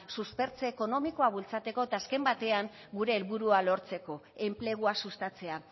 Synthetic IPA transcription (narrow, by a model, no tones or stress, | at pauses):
suspe̞ɾt͡seːko̞no̞miko̞aβult͡sat̪e̞ko̞et̪aːske̞mbat̪e̞aŋɡuɾe̞ːlβuɾualo̞ɾt͡se̞ko̞e̞mple̞ɣ̞uasust̪at͡se̞a